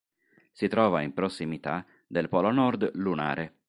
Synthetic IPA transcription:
sit̪ɾɔːvaimpɾɔsːimit̪a | d̪elpɔlonɔrd̪luna̰ːɾe

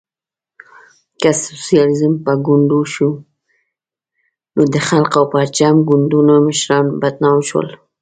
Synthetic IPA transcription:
kasusijɑlizəmpaɡʊɳɖuʃu | nod̪əxalqawpɑɾt͡ʃamɡʊɳɖ̪unoməʃɾɑnbad̪̚nɑwʃwə̰l

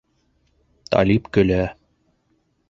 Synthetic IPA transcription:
t̪ɑ̰lʲipkɵ̆læ

